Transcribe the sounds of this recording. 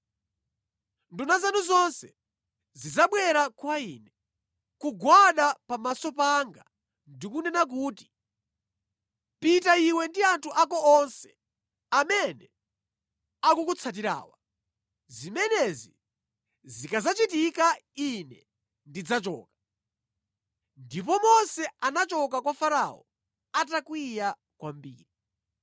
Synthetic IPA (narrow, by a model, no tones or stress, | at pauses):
ndunazanuzɔnsɛ | zid͡zaɓwɛɾakwaiːnɛ | kuɡwaɗapamasɔpaŋɡa̰ | ndikunɛnak̬uːti | pitaiwɛndiantʰuʔakɔɔnsɛ̥ | amɛnɛ | akukut͡sʰat̬iɾa̰ːwa | zimɛnɛzi | zikazat͡ʃitikainɛ | ndid͡zat͡ʃɔ̰ːkḁ | ndipɔmɔsɛanat͡ʃɔkakwafaɾa̰ɔ̰ | at̬akwija | kwambḭːɾi